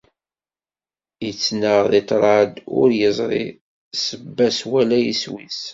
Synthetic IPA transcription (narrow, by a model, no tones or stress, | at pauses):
jət͡sːnəʁðit̪ˤɾˤɑd̪ʊ̰ɾjəzˤɾḭ | səbːæswælæjiswis